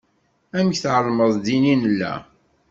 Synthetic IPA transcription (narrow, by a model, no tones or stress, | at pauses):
æmçθʕəlməðˤd̪ininəlːæ̰